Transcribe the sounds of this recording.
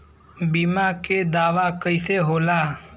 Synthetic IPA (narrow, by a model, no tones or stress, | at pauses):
biːmaked̪aːʋakəɪseɦoːlaː